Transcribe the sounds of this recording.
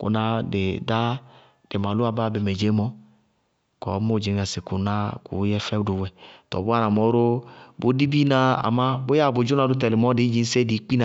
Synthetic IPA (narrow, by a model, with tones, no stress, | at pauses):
kʊ̰˨na˧dɪ˨da˦ | d̥e˨ma˨lu˦a˨ba˦˨be˨mɛ˨d͡ʒe˨˦mɔ˦ | kɔ˨˦mo˦˨d͡ʒi˨ŋ˨a˨sɪ˨kʊ˨na˦kṵ˨˦jɛ˦fɛ˦dʊ˨wɛ˨tɔ̰˨bʊ˦a˦na˨mɔ˨˦ɾo˦bo˦di˦bi˦na˦a̰˨ma˦bo˦ja˦˨bʊ˨d͡ʒu˦na˧dʊ˦t̬ɛ˨lɪ˨mɔ˦dɪ˨˦d͡ʒi˦n˦se˦di˨˦k͡pi˦na˨